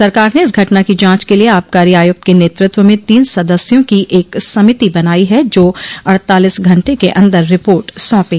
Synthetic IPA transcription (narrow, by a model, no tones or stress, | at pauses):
sɐɾkaːɾneɪs̬ɡʱɐʈnakid͡ʒãːt͡ʃkelieaːp̚kaːɾiaːjʊk̚t̪̚keneːt̪ɾɪt̪wəmẽt̪iːnsɐd̪əsjõkiʔeːksɐmɪt̪ibɐnaːiɦɛd͡ʒoːɐɽt̪aːlisɡʱɐ̃ɳʈekeʔɐ̃nd̪əɾːɪpoːɾʈsɔ̃ːpẽː